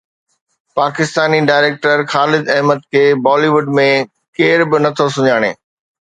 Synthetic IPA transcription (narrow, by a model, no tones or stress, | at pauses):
paːkɪst̪aːniɖaːɪɾeːk̚ʈəɾxaːlɪd̪ɐɦməd̪̚kʰeːbɔːliʋʊɖmẽ | keːɾbɪnɐt̪ʰosʊɲaːɽ̃ḛː